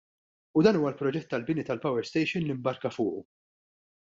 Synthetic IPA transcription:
ud̪ɐːnuːwɐlpɾɔd͡ʒɛt̪ːɐlbɪnit̪ɐlpɐwɛɾst̪ɛjʃɪnlimbɐɾkɐfʊːʔu

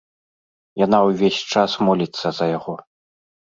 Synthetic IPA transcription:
jan̪awvʲesʲt͡ʂasmɔlʲit̪sːɐzɐjaɣɔ

